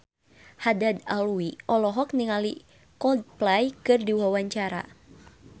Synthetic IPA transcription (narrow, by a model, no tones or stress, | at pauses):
hadad̪aluiʔɔlɔɦɔk̚niŋali | kɔd̚plajkɨrdiwawaɲt͡ʃaɾa̰